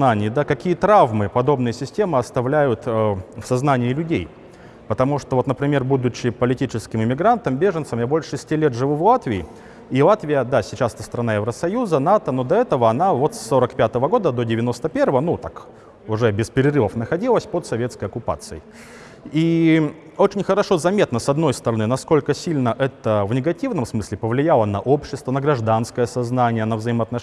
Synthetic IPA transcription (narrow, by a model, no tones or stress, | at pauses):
nanʲɪjəd̪akɐkʲijət̪ɾavmɨpɐd̪o̞bnɨjəsʲɪsʲtʲe̞mɨɐst̪ɐvlʲæjʊt̪əfsɐznanʲɪːlʲʉdʲej | pət̪ɐmuʂt̪ovo̞t̪nəpɾʲɪmʲe̞rbud̪ʊt͡ɕːɪpəlʲɪtʲit͡ɕɪskʲɪmɪmʲɪɡɾant̪əmbʲe̞ʐɨnt̪səmjabo̞lʲʂʂɨsʲtʲilʲet̪ʐɨvuvlˠat̪vʲɪɪ | ilˠat̪vʲɪjəd̪asʲɪt͡ɕasɛt̪ə̥st̪əɾɐnajɪvɾəsɐjuzənat̪əno̞d̪ɐɛt̪əvəɐnavo̞t̪sːo̞ɾəkpʲat̪əvəɡo̞d̪əd̪o̞dʲɪvʲɪno̞st̪əpʲe̞rvəvənut̪ak | ʊʐɛbʲɪspʲɪɾʲɪrɨvəfnəxɐdʲilˠəsʲpot̪sɐvʲe̞t̪skəjɐkʊpa̰t̪sɨɪ | i | o̞t͡ɕɪnʲxəɾɐʂo̞zɐmʲet̪nəsɐd̪no̞jst̪əɾɐnɨnɐsko̞lʲkəsʲilʲnəʔɛt̪əvnʲɪɡɐtʲivnəmsmɨsʲlʲɪpəvlʲɪjalˠənɐʔo̞pɕːɪst̪vənəɡɾɐʐd̪anskəjəsɐznanʲɪjənəvzəɪməɐt̪nɐ